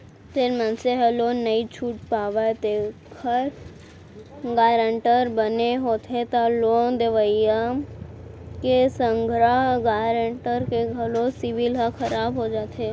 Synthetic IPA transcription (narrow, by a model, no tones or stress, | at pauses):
t̪eɾmə̃nseɦɛloːnːəit͡ʃʰuːʈ̚paːʋaet̪ekʰəɾ | ɡaːɾəɳʈəɾbəneɦoːt̪et̪aloːnd̪eʋəja | kesə̃ŋɡʱɾaɦɡaːɾəɳʈəɾkeɡʱɐlosɪʋɪlɦakʰɐɾaːbɦod͡ʒaːt̪ʰe